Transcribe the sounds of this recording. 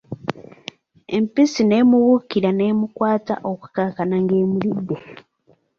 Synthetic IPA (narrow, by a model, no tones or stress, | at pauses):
empisine̞ːmuβukiɾane̞ːmukwaːta̰ʔo̞ku̥kakanaŋɡe̞ːmulidːe